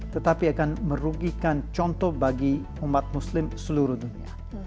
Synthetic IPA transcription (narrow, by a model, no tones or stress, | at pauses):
t̪ət̪apiakanməɾuɡikant͡ʃɔnt̪ɔhbaɡi | umat̪̚muslɪmsəluɾuhdunia̰